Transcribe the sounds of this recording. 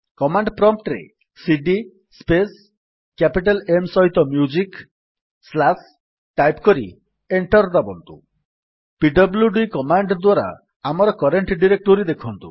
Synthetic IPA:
kɔmaɳɖpɾɔmp̚ʈɾḛ | siɖi | spes | kapiʈ̬alemsɔɦit̪ɔmjud͡ʒik | slas | ʈajpkɔɾḭ | eɳʈɔɾd̪abɔnt̪ṵ | piɖɔbljuɖikɔmaɳɖd̪waɾa̰ | amɔɾɔkɔɾeɳʈɖiɾek̚ʈoɾid̪ekʰɔnt̪u

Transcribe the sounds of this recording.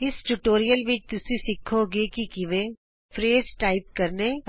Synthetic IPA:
ɪsʈʊʈoːɾijəlʋɪt͡ʃt̪ʊsesɪkʰoɡekikɪʋẽ | fɾeːzʈaːɪp̚kɐɾne

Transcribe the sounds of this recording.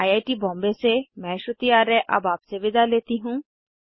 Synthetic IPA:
aːjaːʈibɔ̃ːmbesemɛ̃ːʃʊt̪ijaːɾɛʔɐ̰baːpseʋɪd̪aleːt̪iɦũː

